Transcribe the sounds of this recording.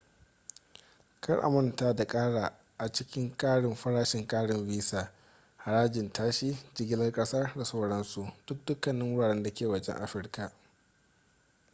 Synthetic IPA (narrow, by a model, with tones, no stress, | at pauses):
kʰɐ˦rʔa̰˨mʊ˨ntaː˦da˨kʼaː˦ɽaː˨ | ʔa˨t͡ʃɪ˦kʲɪ˦ŋkʼaː˦ɽɪ˨mɸɐ˦ɽaː˦ʃɪ˨ŋkʼaː˦ɽɪ˨mbiː˦saː˨ | ha˨ɽaː˦d͡ʒɪ˨ntʰaː˦ʃiː˦d͡ʒɪ˦ɡʲɪ˦lɐ˦rkʼɐ˦sa˦rda˨sa˦wɽɐ˦nsu˨d̥ʊ˦k̚dʊ˦kːɐ˨nːɪ˦ŋwʊ˦ɽaː˨ɽɛ˦nda˨kʲeː˨wɐ˦d͡ʒɛ̰˦ŋʔa̰˦ɸɪ˦rka˨